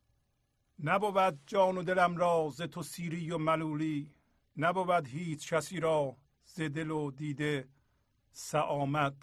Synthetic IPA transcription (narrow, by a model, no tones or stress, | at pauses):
næbobæd̪̚d͡ʒɒːnod̪elæmɾɒːzet̪ʰosiːɾijomæluːliː | næbobæd̪hiːt͡ʃcʰæsiːɾɒː | z̥ed̪elod̪iːd̪e | sæʔɒːmæd̪̥̚